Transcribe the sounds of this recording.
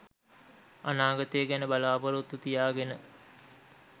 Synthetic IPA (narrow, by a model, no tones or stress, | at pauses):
anaːɡɐt̪eːɡænəbalaːbɐɾot̪ːut̪ijaːɡenə